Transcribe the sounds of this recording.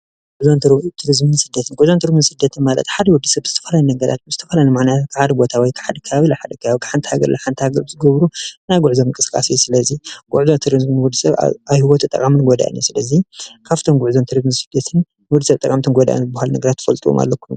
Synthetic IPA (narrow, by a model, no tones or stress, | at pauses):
ɡ̥uʕzont̪ɾt̪ʰuɾizmɨnsɨd̪ːɐt̪ʰɨnɡuʕzont̪ʰɨɾimɨnsɨd̪ːɐt̪ʰɨnmalɐ̰t̪ħad̪ɐwɔd̪ːisɐbzɨt̪ʰɐfɐlajnɐɡɐɾa̰t̪̚zɨt̪ʰɐfɐlajnɨmaʕnajat̪kʰɨħad̪ɐbo̞t̪ʰawɔjkʰɨ̥ħad̪ɐkʰɐβaβilaħad̪ɐkʰɐβaβikʰɨ̥ħant̪ʰhaɡɐ̰ɾlɐħant̪ʰhaɡɐɾzɨɡɐβɾunajɡuʕzomɨŋkʼɨskʼa̰sijsɨlɐziɡ̥uʕzont̪ʰuɾizmɨnwɔd̪ːɨsɐβ̰aβhɨwɔt̪ʰɨt̪ʼɐ̰kʼamɨnɡod̪a̰ʔa̰njusɨlɐzikʰaft̪ʰomɡʊʕzont̪ʰuɾizmɨnsɨd̪ːɐt̪ʰɨn | wɔd̪ːɨsɐβt̪ʼɐkʼamt̪ʰɨnɡod̪a̰ʔa̰nzɨbahalnɐɡɐɾat̪ʰːɨfɐlt̪ʼiwo̰ma̰lːɐkːun